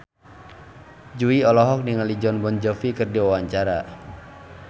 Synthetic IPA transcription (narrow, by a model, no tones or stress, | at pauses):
d͡ʒuiɔlɔɦɔk̚niŋalid͡ʒɔnbɔnd͡ʒɔfikɨrdiwawaɲt͡ʃaɾa